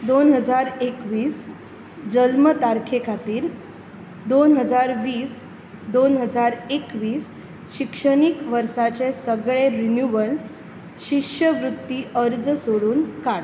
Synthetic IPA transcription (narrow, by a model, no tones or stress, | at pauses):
d̪onɦəd͡zaɾekʋiːs | d͡ʑəlmət̪aɾkʰekʰat̪iːɾ | d̪onɦəd͡zaɾʋiːs | d̪onɦəd͡zaɾekʋiːs | ɕikʂəɽ̃ikʋəɾsat͡sesəɡɭeɾinjuʋəl | ɕikʂəʋɾut̪ːiʔəɾd͡zsoɽuːnkaɽ